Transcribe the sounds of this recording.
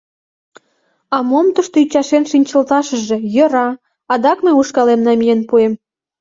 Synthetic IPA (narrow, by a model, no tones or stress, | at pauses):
ɑmomt̪əʃt̪oyt͡ɕɑʃenʃinʲt͡ɕə̆lt̪ɑʃə̆ʒe̽jø̆ɾɑ | ɑd̪ɑkmeuʃkɑlemnɑmʲijenpuem